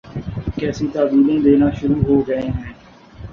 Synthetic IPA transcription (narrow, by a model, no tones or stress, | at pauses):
kɛːsiːt̪aːbiːlẽːd̪eːnaːʃʊɾuːɦoːɡəẽːɦɛ̃ː